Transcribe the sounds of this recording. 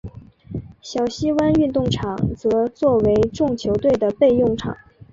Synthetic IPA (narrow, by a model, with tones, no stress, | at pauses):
ɕjɑ˨˩ʊɕi˥wa˥ny˥˧nt̪ʊ˥˩ŋʈ͡ʂʰɑ˨˩˦ŋt͡sɤ˧˥t͡swɔ˥˩we˧˥ɪʈ͡ʂʊ˥˩ŋt͡ɕʰjo˧˥ʊt̪we˥˩ɪd̪ə˩pe˥˧ɪjʊ˥˩ŋʈ͡ʂʰɑ̰˨˩˦ŋ